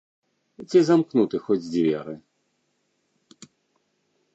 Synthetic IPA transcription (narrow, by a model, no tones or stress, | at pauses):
t͡sʲizamknut̪ɨxɔd͡zʲd͡zʲvʲɛ̰ɾɨ